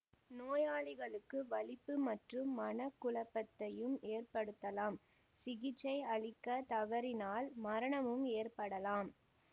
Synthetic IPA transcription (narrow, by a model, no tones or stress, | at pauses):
noːjaːɭɪɣɐɭɯkːɯʋɐɭɪpːɯmɐʈrɯmːɐnɐkːʊɭɐpːɐt̪ːɐjɯmeːrpɐɽɯt̪ːɐlaːm | sɪɣɪt͡ʃːɐɪɐɭɪkːɐt̪ɐʋɐɾɪnaːlmɐɾɐɳɐmɯmeːrpɐɽɐlaːm